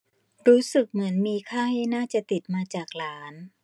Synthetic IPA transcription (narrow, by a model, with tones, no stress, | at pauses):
ɾuː˦˥sɯ˨˩k̚mɯ˩˦ənmiː˧kʰaː˥˩ŋha˥˩naː˥˩t͡ɕa˨˩t̪i˨˩t̪̚maː˧t͡ɕaː˨˩k̚laː˦˥n